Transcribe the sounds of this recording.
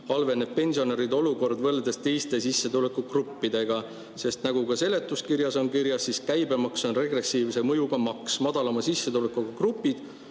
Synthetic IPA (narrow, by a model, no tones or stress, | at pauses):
ɑlve̞ne̞b̚pe̞nʲsio̞ne̞ɾid̪o̞luko̞rd̪vɤld̪est̪e̞jst̪e̞sisːet̪ule̞kːˑukrupːid̪̥e̞ɡ̥ɑ | se̞st̪nɑɡukɑse̞le̞t̪ːˑuskirjɑso̞nkiɾjɑsːiskæjbe̞mɑkso̞nre̞ɡre̞siːvse̞mɤjuɡ̥ɑmɑksmɑd̪̥ɑlɑmɑsisːet̪ulekːˑuɡɑkrupːid̪̥